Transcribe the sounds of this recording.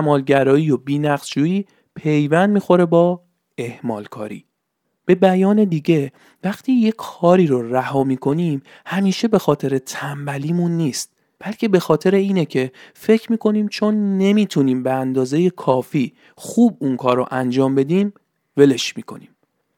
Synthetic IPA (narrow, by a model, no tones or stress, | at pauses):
æmɒːlɟæɾɒːiːjobiːnæɡzd͡ʒuːiː | pʰe̞jvænd̪̚miːxo̞ɾe̞bɒː | e̞hmɒ̰ːlkʰɒ̰ːɾḭː | b̥e̞bæjɒːne̞d̪iːɟe̞ | væxt̪ʰiːje̞kʰɒːɾiːɾoræhɒːmiːkʰo̞niːm | hæmiːʃe̞be̞xɒːt̪ʰe̞ɾe̞t̪ʰæmbæliːmunːiːst̪̚ | b̥ælcʰe̞be̞xɒːt̪ʰe̞ɾeiːnecʰe̞fe̞cʰɾmiːkʰo̞niːmt͡ʃʰo̞nːe̞miːt̪ʰuniːmbeænd̪ɒːze̞jekʰɒːfiː | xuːbunkʰɒːɾo̰ʔænd͡ʒɒːmbe̞d̪iːm | ve̞le̞ʃmiːkʰo̞̰niːm